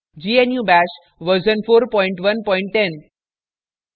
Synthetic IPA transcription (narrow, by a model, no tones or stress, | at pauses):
d͡ʒiːenjuːbæʃ | ʋəɾsənfoːɾpɔɪ̃ɳʈʋənpɔ̃ɪ̃ɳʈːen